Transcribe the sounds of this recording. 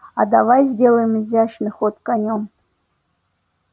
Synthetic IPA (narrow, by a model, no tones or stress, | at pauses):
ad̪avajzʲdʲe̞lˠəjɪmɨzʲaʂnɨxot̪kanʲom